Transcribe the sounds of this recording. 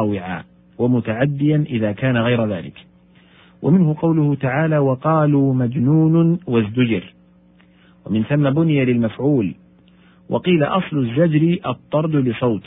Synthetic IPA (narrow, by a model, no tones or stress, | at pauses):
wɪʕa̰ː | wamʊt̪aʕad̪ːɪjanʔɪðaːkaːnaɣajɾaðaːlɪ̰k | wʔa̰mɪnhʊqɑwlʊhʊt̪aʕaːlaːwɑqɑːluːmad͡ʒnuːnwazd̪ʊd͡ʒɪɾ | wamɪnθamːabʊnɪjalɪlmafʕuːl | wʔɑqiːla̰ʔɑsˤlʊzːad͡ʒɾɪʔɑt̪ˤːɑɾˤd̪lɪsˤɑwt̪